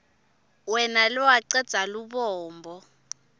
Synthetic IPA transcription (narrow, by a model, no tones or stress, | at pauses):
wɛnalɔwaǀɛd̥z̥ʱaluɓɔːmbʱɔ